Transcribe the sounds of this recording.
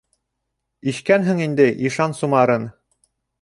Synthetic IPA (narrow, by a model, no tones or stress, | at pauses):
iʃkænɦɘŋind̪ɘʔiʃɑnsumɑɾɤn